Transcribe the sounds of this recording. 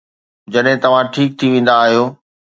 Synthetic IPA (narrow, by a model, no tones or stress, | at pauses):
d͡ʑɐɗɦɪ̃t̪ɐʋ̤ãʈʰiːk̚t̪ʰiʋẽːn̆d̪aːɦijoː